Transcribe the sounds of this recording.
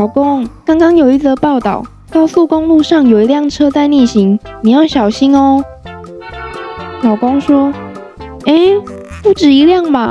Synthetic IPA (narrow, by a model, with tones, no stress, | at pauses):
lɑ˨˩ʊko˦ŋkɑ˥ŋkɑ˥ŋjo˨˩ʊi˧˥t͡sə˧˦pɑ˥˩ʊt̪ɑ˥˨˩ʊ | t̪ɑ˥˧ʊsu˥˧kʊ˥ŋlu˥˧ʂɑ˥˩ŋjo˨˩ʊi˧˥ljɑ˥˩ŋʈ͡ʂʰɤ˥t͡sa˥˧ɪni˥˩ɕi˧˦ŋni˨˩jɑ˥˩ʊɕjɑ˨˩ʊɕi˦˥nɔ˨ | lɑ˨˩ʊko˦˥ŋʂwɔ˥ | e˥˩ɪ | pu˥˩ʈ͡ʂɻ̩˨˩i˧˥ljɑ˥˩ŋba˨˩